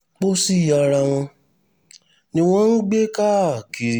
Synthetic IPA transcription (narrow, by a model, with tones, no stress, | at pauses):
k͡po˦si˦˨ja˧˨ɾa˧w̃ɔ̃˧ | nĩ˧w̃ɔ̃˦ɾ̃ũ˦ɡ͡be˦ka˦˨ki˨˧ɾi˧